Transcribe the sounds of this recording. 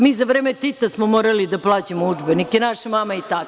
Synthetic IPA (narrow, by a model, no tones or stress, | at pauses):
miːzaʋɾeːmet̪it̪asmomoːɾalid̪aplˠaːt͡ɕemoud͡ʒbenikjenaʃamaːmait̪a